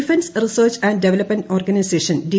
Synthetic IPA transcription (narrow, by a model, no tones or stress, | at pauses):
ifẽnsrisəːrt͡ɕæ̃ːɳɖɖeʋelɐpmɐ̃ɳʈoːrɡɐnijseːʃɐ̃nɖi